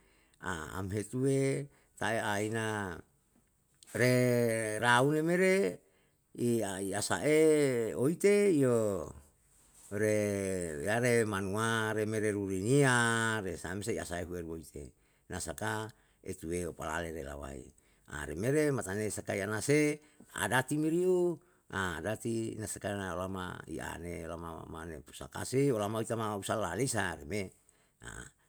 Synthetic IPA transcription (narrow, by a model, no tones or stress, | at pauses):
a̰a̰mɦet̪uwe | t̪aeaina | ɾeɾaunemeɾe | iaiasa̰ʔeoit̪eio | ɾejaɾemanuaɾemeɾeɾuɾiniaɾesamseia̰saeɦuerwoit̪ḛ | nasaka | ḛt̪ueopala̰leɾela̰wa̰ḭ | a̰ɾemeɾemat̪anesakaianase | a̰dat̪imiɾiu | aːdat̪inasakanaolama̰ḭa̰neolama̰manepu̥sa̰ka̰seolamait̪amausalːalesaɾeme | a̰